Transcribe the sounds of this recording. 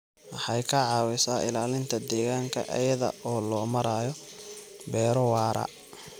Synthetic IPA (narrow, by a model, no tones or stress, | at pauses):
wɑħɑjkʰɐʕɑːwɪsaːɪ̰laːlɪnt̪ʰɐd̪ɛːɣaːŋkʰɐ̰ʔɐ̰jɐðɐ̰ʔɔːlɔːmɐɾaːjɔ | bɛːɾɔwaːɾɐ̰